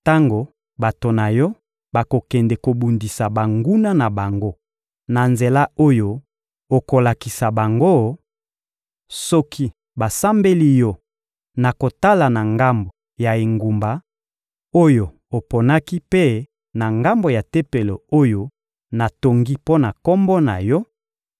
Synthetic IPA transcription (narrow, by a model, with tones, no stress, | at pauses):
ta˦ŋɡo˨ | ba˨to˨na˨jɔ˦ | ba˨ko˨kɛ˨ndɛ˨ko˨bu˨ndi˨sa˨ba˨ŋɡu˦na˦na˨ba˨ŋɡo˦ | na˨nze˨la˦o˦jo˨ | o˨ko˨la˨ki˨sa˨ba˨ŋɡo˦ | sɔ˦kʰi˦ | ba˨sa˦mbe˦li˦jɔ˦ | na˨ko˨ta˦la˨na˨ŋɡa˦mbo˨ | ja˨e˨ŋɡu˨mba˨ | o˦jo˨ | o˨po˨na˦ki˦pe˦ | na˨ŋɡa˦mbo˨ja˨te˦pe˨lo˨o˦jo˦ | na˨to˨ŋɡi˦po˦na˨kɔ˦mbɔ˦na˨jɔ˦